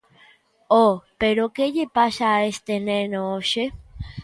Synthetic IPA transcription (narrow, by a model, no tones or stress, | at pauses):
opeɾokejepaʃaest̪enenooʃe